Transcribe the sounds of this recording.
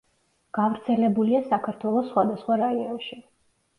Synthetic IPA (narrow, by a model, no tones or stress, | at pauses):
ɡ̥avɾt̪sʰɛlɛbuliasakʰaɾt̪ʰwɛlˠɔsχwad̪asχwaɾaiɔnʃi